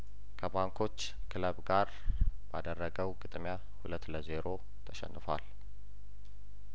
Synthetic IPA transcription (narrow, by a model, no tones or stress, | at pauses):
kʰəbaŋkʰo̞t͡ʃː | kʰɨləbɡaɾ | ba̰d̪ərːəɡəwɡɨt̪ʼmja | hulət̪ːləze̞ɾo̞ | t̪ʰəʃɛ̰nːɨfa̰l